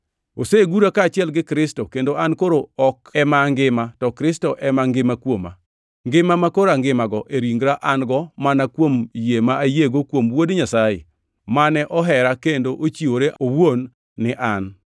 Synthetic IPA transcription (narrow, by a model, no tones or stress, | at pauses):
oseɡuɾakaːt͡ʃɪɛlɡɪkɾɪstokendoʔankoɾoɔkɛmaŋɡɪmatɔkɾɪstoʔɛmaŋɡɪmakwoma̰ | ŋɡɪmamakoɾaŋɡɪmaɡɔʔeɾiŋɡɾaʔanɡɔmanakwomjemaajeɡokwomwodɲasajḛ | manɛʔɔɦɛɾakendoʔot͡ʃioɾeʔowonː | ɪʔan